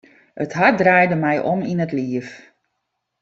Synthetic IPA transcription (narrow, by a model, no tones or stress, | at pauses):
ətɦadraːjdəmɛjʔɔminətliəf